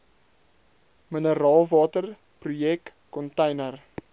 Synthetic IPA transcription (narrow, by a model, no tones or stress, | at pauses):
mənəɾɑːlˠvɑːtər | prujɛkː | kɔntəjnər